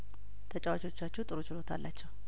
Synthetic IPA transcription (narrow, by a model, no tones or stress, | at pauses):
t̪ʰət͡ʃʼawat͡ʃo̞t͡ʃːat͡ʃːut̪ʼɨɾo̞t͡ʃɪlo̞t̪ʰa̰lːat͡ʃːɛw